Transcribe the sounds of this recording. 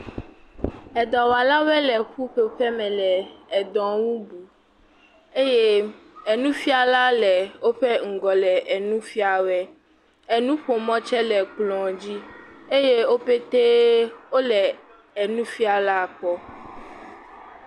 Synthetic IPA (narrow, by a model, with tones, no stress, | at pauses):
ɛ˨d̪ɔ̃˨wa˨la˦wɛ˦lɛ˨ɸu˦ɸe˨ɸɛ˦mɛ̃˨lɛ˨ɛ˨d̪ɔ̃˨wu˦bu˨ | e˦je˦ɛ˨nũ˦fi˦a˨la˦lɛ˨wo˦ɸɛ˦ŋ̩˨ɡɔ˨lɛ˨ʔɛ˨nũ˦fi˦a˨wɛ˦ | ɛ˨nũ˦ɸo˨mɔ̃˦t͡ʃɛ˦lɛ˨k͡plɔ̃˨d͡ʑi˦e˦je˦wo˦ɸe˦t̪e˦wo˦lɛ˨ | ɛ˨nũ˦fi˦a˨la˦˨k͡pɔ˦